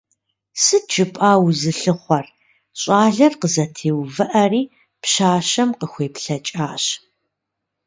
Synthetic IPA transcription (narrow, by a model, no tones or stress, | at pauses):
sɨd͡ʒɨpʼaːwzɨɬɨχʷɔr | ɕʼaːɮɐrqəzɐtʰeːwvɨʔɐriː | pɕaːɕɐmqəxʷeːpɬɐt͡ʃʼaːɕ